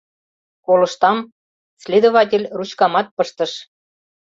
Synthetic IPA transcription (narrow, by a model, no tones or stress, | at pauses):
kolɤ̆ʃt̪ɑm | sʲlʲed̪oβɑtʲelʲrut͡ɕkɑmɑt̪̚pəʃt̪ə̆ʃ